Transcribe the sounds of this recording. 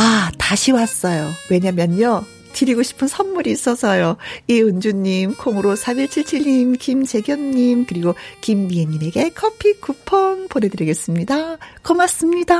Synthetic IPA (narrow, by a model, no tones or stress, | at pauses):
ataɕʰiwas͈ʌjowe̞ɲamjʌnjʌ | t͡ɕiɾiɡoɕʰi̥pʰɯnsʰʌnmuɾiːs͈ʌsʰʌjoiɯnd͡ʑuɲːimkʰoŋɯɾosʰamiɭt͡ɕʰiɭt͡ɕʰiɭɲimkimt͡ɕe̞ɡjʌnɲimkɯɾiɡokimːieɲːime̞ɡe̞kʰʌpʰikupʰʌnpone̞dɯɾiɡe̞s͈ɯmɲidakʌmas͈ɯmɲida